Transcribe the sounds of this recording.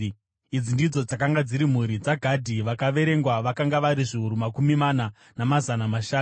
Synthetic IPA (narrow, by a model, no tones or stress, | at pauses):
id͡zindid͡zo̞d͡zakaŋɡad͡ziɾim̤uɾid͡zaɡʱadʱiʋakaʋe̞ɾe̞ŋɡwaʋakaŋɡaʋaɾiʐiɦuɾumakumimana | namazanamaʃaːnu